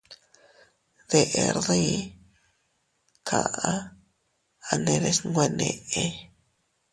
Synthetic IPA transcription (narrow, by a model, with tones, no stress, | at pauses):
d̪e˧ʔe˧ɾd̪i˦˧ | kʰa̰˨ʔa˦ | a˧ne˧d̪e˧sŋɡʷe˧ne˨ʔe˧